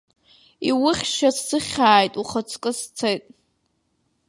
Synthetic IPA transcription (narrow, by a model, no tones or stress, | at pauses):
iwʊχʲʃassɨχʲaːjtʼuχət͡sʰʼkʼɨst͡sʰejtʼ